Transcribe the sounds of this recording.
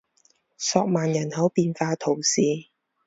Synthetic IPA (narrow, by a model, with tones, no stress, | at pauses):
sɔː˧k̚maː˨njɐ˨˩nhɐ˨˥wpiː˧nfaː˧t̪ʰo˨˩wsiː˨